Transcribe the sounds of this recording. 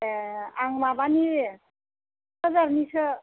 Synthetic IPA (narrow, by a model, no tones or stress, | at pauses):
aŋmabani | əzaɾnisə